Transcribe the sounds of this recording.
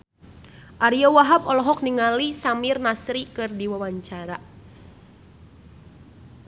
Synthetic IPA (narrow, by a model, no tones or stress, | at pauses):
ʔaɾiɔwaɦabɔlɔɦɔk̚niŋalisamirnasɾikɨrdiwawaɲt͡ʃaɾa